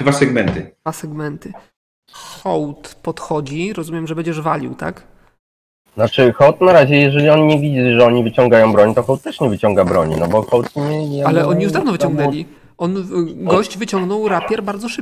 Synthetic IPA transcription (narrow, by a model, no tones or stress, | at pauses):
d̪vasɛɡmɛnt̪ɘd̪vasɛɡmɛnt̪ɘ | xɔwt̪pɔt̪xɔd͡ʑiɾɔzumʲɛmʐɛbɛɲd͡ʑɛʐvalʲḭwt̪a̰k | nat͡ʂɘxɔwt̪naɾaʑɛjɛʐɛlʲiɔnɲɛvʲid͡ʑiʐɛɔɲivɘt͡ɕɔŋɡajɔw̃bɾɔɲt̪ɔxɔwt̪̚ːɛʂɲɛvɘt͡ɕɔŋɡabɾɔ̰ɲḭnɔbɔxɔwt̪ɲɛalɛʔɔɲijuʐd̪avnɔvɘt͡ɕɔ̃ŋɡnɛlʲi | ʔɔnɡɔɕt͡ɕvɘt͡ɕɔŋɡnɔwɾapʲjɛɾbaɾd̪zɔʂɘp